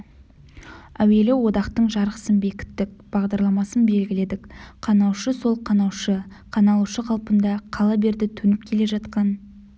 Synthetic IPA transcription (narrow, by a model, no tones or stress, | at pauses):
æwe̞lɪwo̞d̪ɑqt̪əɴʒɑɾəqə̥sənbe̞kʲɪ̥t̪ːɪk̚b̥ɑʁd̪ɑɾlˠɑmɑsənbe̞lɡʲɪle̞d̪ɪkqʰɑnɑwʃəso̞lˠqʰɑnɑwʃə | qʰɑnɑlˠuʃəqʰɑlˠpənd̪ɑqʰɑlˠɑbe̞ɾd̪ɪt̪ʰɵnɪp̚kʲʰe̞le̞ʒɑt̪qɑn